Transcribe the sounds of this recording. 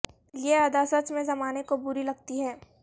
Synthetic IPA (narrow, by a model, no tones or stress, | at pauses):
jead̪asət͡ʃmẽzɐmaːnekobʊɾilɐɡ̚t̪iɦɛː